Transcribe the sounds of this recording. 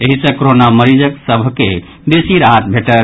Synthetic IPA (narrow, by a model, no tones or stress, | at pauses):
eɦisə̃koɾonaməɾid͡ʒəksəbʱke | d̪esiɾat̪̚bʱeʈəɾ